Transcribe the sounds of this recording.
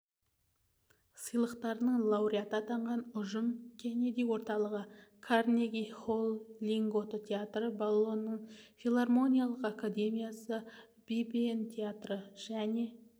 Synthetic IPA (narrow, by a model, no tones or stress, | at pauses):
səjlˠəqt̪ɑɾənəɴlˠɑwɾʲiat̪ɑt̪ʰɑɴʁɑnʊʒəmkʲʰene̞d̪iwo̞ɾt̪ɑlˠəʁəkʰarnʲeɡʲiχolˠːiŋɡo̞t̪ət̪ʰʲe̞at̪rəbalˠːo̞nːəɴfʲilˠarmo̞nʲijalˠəqakad̪e̞mijasə | bibient̪ʲʰeat̪rəʒ̥æne̞